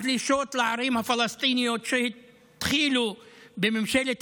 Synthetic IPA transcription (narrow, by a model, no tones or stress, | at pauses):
d̪liʃot̪leʕaɾimhafalast̪inijot̪ʃehi | t̪χilubememʃelet̪